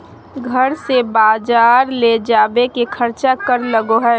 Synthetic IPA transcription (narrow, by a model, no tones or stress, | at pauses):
ɡʱəɾsebaːd͡ʒaːɾled͡ʒaːbekekʰəɾt͡ʃakəɾləɡoɦɛ